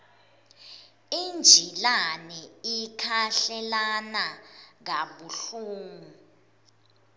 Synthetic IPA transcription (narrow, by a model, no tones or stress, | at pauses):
ind͡ʒʱilanɛikʰaɬɛlanaŋaɓuɬuːŋu